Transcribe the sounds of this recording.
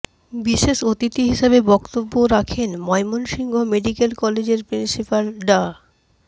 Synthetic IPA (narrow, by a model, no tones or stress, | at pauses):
biʃeʃot̪it̪iɦiʃabebɔkt̪obːoɾakʰenmɔemonʃiŋɡʱomeɖikelkɔled͡ʑeɾpɾinsipalɖa